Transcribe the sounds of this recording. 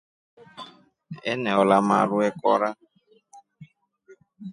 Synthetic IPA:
ɛ̰nɛɔlamaɺuɛkɔ̰ɾa

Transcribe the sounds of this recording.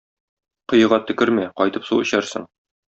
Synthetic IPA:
qɤ̆jɤ̆ʁɑt̪ɵ̆kɘɾmæqɒjt̪ɤpsuɵ̆ɕæɾsɤ̰ɴ

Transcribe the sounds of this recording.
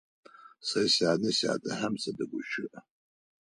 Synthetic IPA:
sajsaːnɨsa̰ːtʰʼaħamsʰadaɡʷʊʃʊʔa

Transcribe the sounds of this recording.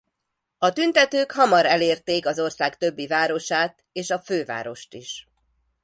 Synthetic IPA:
ɒt̪ynt̪ɛt̪øːkhɒmɒɾɛleːrt̪eːkɒzo̞rsaːkt̪ø̞bːivaːɾo̞ʃaːt̪ | eːʃɒføːva̰ːɾo̞ʃt̪iʃ

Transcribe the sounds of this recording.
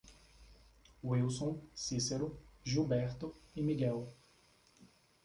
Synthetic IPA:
wiwsõw̃siseɾʊʒubɛɾt̪ʊɪmiɡɛw

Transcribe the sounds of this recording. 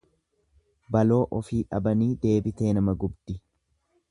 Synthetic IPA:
bɐlo̞ːʔɔfiːᶑɐbɐniːd̪e̞ːbɪt̪e̞ːnɐmɐɡʊbd̪̥ɪ

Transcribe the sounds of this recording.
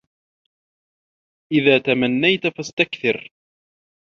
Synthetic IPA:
ʔɪðaːt̪amanːajt̪fast̪akθɪɾ

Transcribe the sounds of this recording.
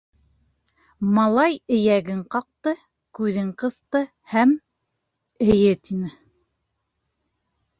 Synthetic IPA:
mɑlˠɑjɘ̆jæɡɘɴqɑq̚t̪ɤ | kʉðɘɴqɤ̆θt̪ɤ | hæm | ɘ̆jɘt̪inɘ

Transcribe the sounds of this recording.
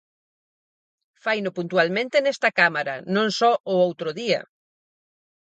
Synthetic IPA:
fajnʊpunt̪ualmẽnt̪enɛst̪ɐkamaɾɐ̰nõŋsɔʔʊowt̪ɾʊðiɐ̰

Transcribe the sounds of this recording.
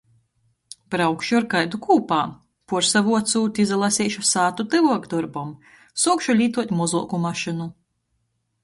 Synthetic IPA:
pɾawkʃaɾkajd̪ukʰuːpaː | puɾsavuɔt̪suːt̪ʲizalˠasʲiːʃusaːt̪ut̪ɨvuɔkd̪ɔɾbɔm | sɔkʃulʲiːt̪uɔt̪ʲmɔzuɔkumaʃinu

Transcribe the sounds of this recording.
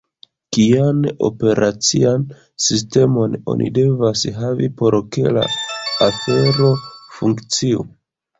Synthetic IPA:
kiano̞̰pe̞ɾʔat͡sian | sis̬te̞mo̞no̞̰nʔḭde̞vasɦavipo̞ɾkela̰ːfe̞ɾo̞fuŋkt͡siu

